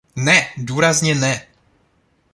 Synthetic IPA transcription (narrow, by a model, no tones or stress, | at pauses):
nɛduːɾazɲɛnɛ